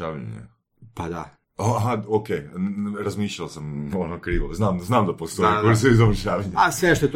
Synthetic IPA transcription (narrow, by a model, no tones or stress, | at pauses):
aːʋ̰ɲ̰ɲḛ | pad̪a | aɦaokejɾazmiːʃʎalasamonokɾiːʋo̰znaːmznaːmd̪apost̪ojiɾsoizaʋɾ̩ʃaːʋaɲasʋeʃt̪ot̪